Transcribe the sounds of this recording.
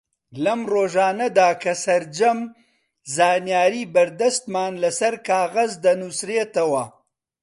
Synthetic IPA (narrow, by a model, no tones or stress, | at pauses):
lɐmɾoːʒɑːnad̪aːkasaɾd͡ʒam | zɑːnjɑːɾibaɾd̪ast̪mɑːnlasaɾkɑːɣazd̪anʊsɾet̪awaː